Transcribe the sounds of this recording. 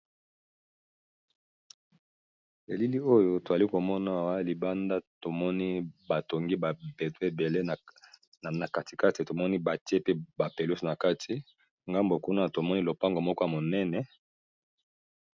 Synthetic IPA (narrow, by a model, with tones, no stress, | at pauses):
e˨li˦li˦o˦jo˦to˨za˨li˦ko˨mɔ˦na˦˨wa˦li˨ba˦nda˦to˨mɔ˦ni˦ba˨to˨ŋɡi˦ba˨be˨twe˨be˨le˦˨ | na˨ka˨tʰi̥˨ka˦ti˨to˨mɔ˦ni˦ba˨te˦pe˦ba˨pe˨lu˦sna˨ka˦tʰi˨ | ŋɡa˦mbo˨ku˦na˦to˨mɔ˦ni˦lo˨pa˦ŋɡo˨mɔ˦kɔ˦a˨mo˨nɛ˦nɛ˨